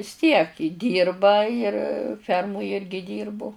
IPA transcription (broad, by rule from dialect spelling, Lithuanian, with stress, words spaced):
ʋʲɪs tʲiɛk ɪ ˈdʲiːrbɐ ɪr ˈfʲɛrmʊj ˈɪrʲɡʲɪ ˈdʲiːrbʊ